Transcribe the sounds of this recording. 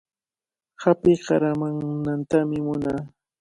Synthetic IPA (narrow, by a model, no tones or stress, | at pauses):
hapɪjɢɑɾamaŋnant̪amɪmʊnaː